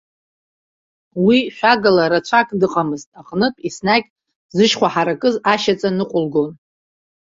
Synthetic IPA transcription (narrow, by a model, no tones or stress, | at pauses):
wiʃʷᶣaɡalaɾat͡ɕʷʰakʼdɨqʼamɨztʼaχʼnɨpʼisnaɡʲʼ | zɨʃχʷaħaɾakʼɨzaʃat͡sʼanɨqʷʼʊlɡon